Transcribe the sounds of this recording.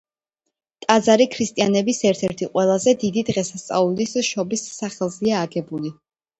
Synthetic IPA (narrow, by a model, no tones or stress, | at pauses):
t̪ʼad̪zaɾikʰɾist̪ʼijanɛbisɛɾt̪ʰɛɾt̪ʰiqʼwɛlˠazɛd̪id̪id̪ʁɛsast̪sʼa̰ulisʃɔbisːaχɛlˠziaːɡɛbuli